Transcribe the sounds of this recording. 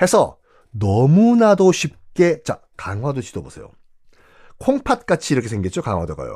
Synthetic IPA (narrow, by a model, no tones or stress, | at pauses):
he̞sʰʌ | nʌmunadoɕʰip̚k͈e̞t͡ɕa̰ | kaŋɦwadod͡ʑidobosʰe̞jo̰ | kʰoŋpʰat̚k͈at͡ɕʰiɾʌkʰesʰeŋɡit̚t͡ɕ͈oka̰ŋɦwadoɡa̰jo̰